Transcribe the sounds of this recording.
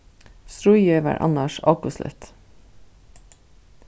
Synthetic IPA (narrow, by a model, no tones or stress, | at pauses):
sɾʊʏjœːʋæ̰ːʔɑ̰nəʃɑːkʊslœ̰t̪